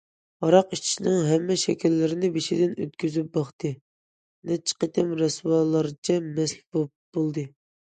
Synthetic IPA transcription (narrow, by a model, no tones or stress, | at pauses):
ɑɾɑqit͡ʃʰi̥ʃnɪŋɦɛmːɛʃɛ̰kʲilːɪɾɪnɪbeʃid̪ɪnø̰t̪kʲyzyp̚bɑχt̪ɨ | nɛt͡ʃʰːɪ̥qət̪ɪmɾɛswɑːlˠɑɾt͡ʃʰɛmɛsbop̚b̥olˠd̪ɨ